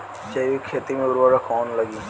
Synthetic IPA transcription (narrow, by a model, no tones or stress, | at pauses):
t͡ʃɐiʋikʰeːt̪imẽʊɾʋaːɽakɔːnlɐɡiː